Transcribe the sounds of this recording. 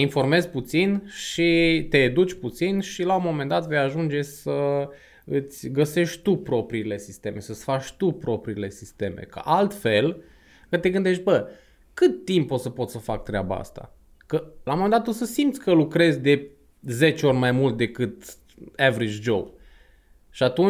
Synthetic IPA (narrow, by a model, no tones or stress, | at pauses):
info̞rme̞zput̪sinʃit̪e̞ːd̪ut͡ʃʲput̪sinʃilaumo̞mend̪at̪ve̞jaʒund͡ʒe̞sə | ɨt̪sʲɡəse̞ʃt̪ʲt̪upɾo̞pɾiːle̞sist̪e̞me̞səsfat͡ʃʲt̪upɾo̞pɾiːle̞sist̪e̞me̞̰kə̰ʔalt̪fe̞l | kət̪e̞ɡɨnd̪e̞ʃ̬t̪̚ʲbə | kɨt̪ːimpo̞t̪səpo̞t̪səfak̚t̪ɾeaba̰a̰st̪a̰ | kəlawmo̞mend̪at̪osəsimt̪sʲkəlukɾe̞zʲd̪e̞ | ze̞t͡ʃeo̞rʲmajmult̪̚d̪e̞kɨt̪ | evɾit͡ʃd͡ʒob | ʃiat̪un